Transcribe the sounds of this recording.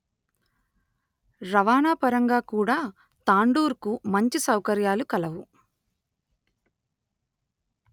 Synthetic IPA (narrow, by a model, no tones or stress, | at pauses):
ɾɐʋaːnaːpɐɾɐŋɡaːkuːɽaː | t̪aːɳɖuːɾkumɐɲt͡ʃisɐwkɐɾjaːlukɐlɐʋu